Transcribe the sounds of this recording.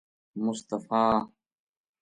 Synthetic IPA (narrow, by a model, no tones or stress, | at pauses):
mʊst̪ɐfaː